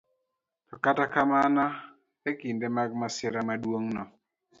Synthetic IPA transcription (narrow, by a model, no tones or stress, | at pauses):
kakatakamana | ekindemaɡ̚masɛɾamadwoŋnɔ